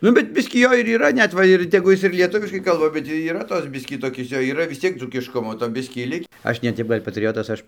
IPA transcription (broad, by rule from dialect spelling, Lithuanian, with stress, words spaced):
ˈnʊ bʲɛt ˈbʲɪsʲkʲiː ˈjoː ɪr iːˈrɐ ˈnʲɛt ˈʋɐ ɪr tʲɛˈɡʊ ˈjɪs ɪr lʲiɛˈtʊʋʲɪʃkɐɪ ˈkɐlˠbɐ bʲɛt iːˈrɐ ˈtoːs ˈbʲɪsʲkʲiː toːˈkʲɪs ˈjoː iːˈrɐ ʋʲɪs ˈt͡sʲiɛk d͡zuːkʲɪʃˈkʊmoː toː ˈbʲɪsʲkʲiː ˈlʲɪkʲ ˈɐʃ nʲɛ ˈtʲɛp ˈɡɐlʲ pɐtʲˈrʲɪjoːtɐs ˈɐʃ